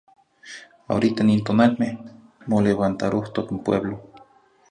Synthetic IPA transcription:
a̰oɾit̪anint̪onalmeh | moleβant̪aɾoht̪okimpwḛβlo

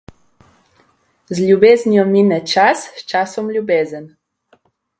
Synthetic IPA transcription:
zljubeːznijɔminɛt͡ʃasːt͡ʃasɔmlʲjubeːzən

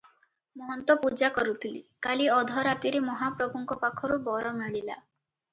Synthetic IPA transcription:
mɔɦɔnt̪ɔpud͡ʒakɔɾut̪ʰilikaliɔd̪ʱɔɾat̪iɾemɔɦapɾɔbʱɔŋkɔpakʰɔɾubɔɾɔmiɭila̰

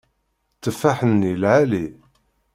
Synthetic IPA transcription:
t͡sːəfːaħənːilʕali

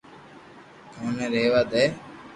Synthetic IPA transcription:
oːneɾeːʋaːd̪eː

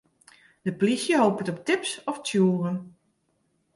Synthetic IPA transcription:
d̥əplisjəɦoːpətɔp̚tɪpsɔftjuːrən

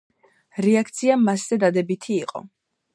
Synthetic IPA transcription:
ɾɛakʰt̪sʰiamasz̥ɛd̪ad̪ɛbit̪ʰiːqʼɔ̰

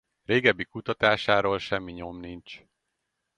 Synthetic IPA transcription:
reːɡɛbːikut̪ɒt̪aːʃaːɾoːlʃɛmːiɲo̞mnint͡ʃ

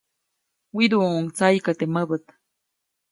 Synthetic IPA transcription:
wid̪uːŋt͡sajkat̪eməbət̪

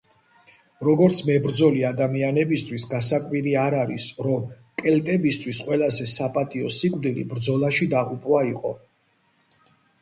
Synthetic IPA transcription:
ɾɔɡɔɾt̪sʰmɛbɾd̪zɔliad̪amianɛbist̪ʰwisɡas̬akʼwiɾiaɾaɾisɾɔm | kʼɛlt̪ʼɛbist̪ʰwisqʼwɛlazɛsapʼat̪ʼiɔsikʼvd̪ilḭbɾd̪zɔlaʃid̪aʁupʼwaiqʼɔ

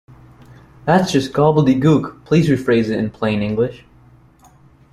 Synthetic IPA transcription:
ðætsd̥ʒ̥ʌsɡ̥ɑbl̩ˠdiɡukpʰl̥izɹifɹeɪzɨɾɨ̃npʰl̥ẽɪɪ̃ŋɪ̃ŋɡlɪʃ

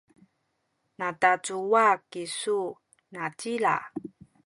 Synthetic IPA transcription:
natat͡suwakisu | natila̰

